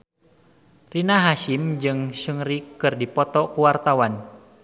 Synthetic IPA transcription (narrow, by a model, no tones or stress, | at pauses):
rinaɦaʃimd͡ʒɨŋsuŋɾikːɨrdipɔt̪ɔkuwart̪awan